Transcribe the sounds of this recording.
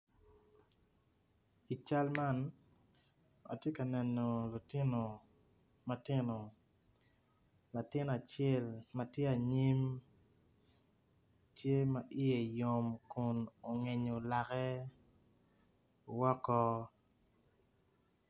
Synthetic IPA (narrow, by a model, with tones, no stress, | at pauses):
i˨t͡ʃa˦lma˦n | a̰˨tje˦ka˨nɛ˨no˨lu˨tɪ˦no˨ | ma˨tɪ˦no˨ | la˨tɪ˦n˨a˨t͡ʃjɛ˦˨lma˨tje˦a˨ɲi˦m | tje˦ma˨ʔi˦je˨jo˨mku˨no˨ŋe˨ɲo˨la˨kɛ˦ | wɔ˦kɔ˦